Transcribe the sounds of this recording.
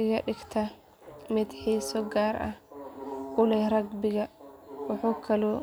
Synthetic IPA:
ʔɪɣɐɗɪɡt̪ʰɐ | mɪd̪ħiːsɔɡaːɾʔɐ̰ | ʔʊlɛɾɐɡbɪɣɐwʊħuːkʰɐlɔ

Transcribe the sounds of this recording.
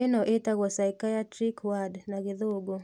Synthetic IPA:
enɔʔetaɣwɔsaikajatɾikwadnaɣeðoɡo

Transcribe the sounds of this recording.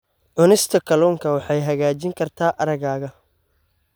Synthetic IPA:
ʕʊnɪst̪ʰɐkʰɐlɔːŋkʰɐwɑħɑjɦɐɣaːt͡ʃɪŋkʰɐrt̪ʰaːʔɐɾɐɣaːɣɐ

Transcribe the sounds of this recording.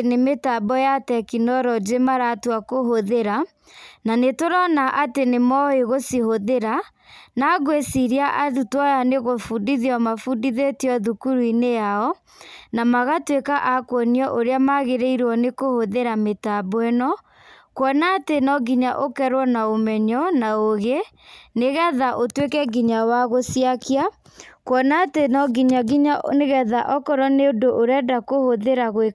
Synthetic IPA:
nemetabɔjatɛkinɔɾɔd͡ʒemaɾatwakoɦoðeɾa | nanetoɾɔnaʔatenemɔeɣosihoðeɾa | naɣwesiɾiaʔatutwajaneɣofudiðiɔmafudiðetiɔðukuɾuinejaɔ | namaɣatwekaʔakwɔniɔʔoɾeamaɣeɾeiɾɔnekohoðeɾametabwɛnɔ | kwɔnatenɔɡiɲaʔokɛɾwɔnaomɛɲɔnaoɣe | neɣɛðaʔotwekɛɡiɲawaɣosjakia | kwɔnatenɔɡiɲaɡiɲaneɣɛðaʔɔkɔɾɔneodoʔoɾɛdakohoðeɾaɣwe

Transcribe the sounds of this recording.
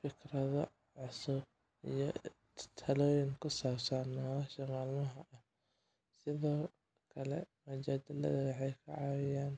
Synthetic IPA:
fɪkrɐðɔ | ʕʊsʊb | ḭjɔ | t̪ʰɐlɔːjɪŋkʰʊsaːbsɐnːɔlaːʃɐmaːlmɐɦɐʔɐh | sɪðɔː | kʰɐlɛ̰mʊt͡ʃaːd̪ɪlɐ̰ðɐwɑħɑjkʰɐʕɑwɪjaːn

